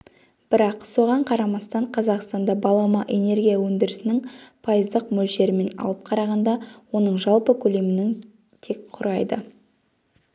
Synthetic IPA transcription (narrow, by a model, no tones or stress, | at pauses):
b̥ɪɾɑqso̞ʁɑɴqʰɑɾɑmɑst̪ɑɴqʰɑzɑqst̪ɑnd̪ɑbɑlˠɑmɑʔe̞ne̞ɾɡʲijawɵnd̪ɪɾɪsɪnɪŋpʰɑjəzd̪əqmɵlʃe̞ɾɪme̞nɑ̰lˠəp̚qʰɑɾɑʁɑnd̪ɑwo̞nəɴʒɑlˠpəkʲʰɵle̞mɪnɪŋ | t̪ʰe̞kqʰʊɾɑjd̪ə